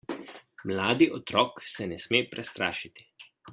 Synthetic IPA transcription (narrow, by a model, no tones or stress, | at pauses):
mlaːd̪iʔɔt̪ɾɔːksɛnɛsmeːpɾʔɛst̪ɾa̰ːʃit̪i̥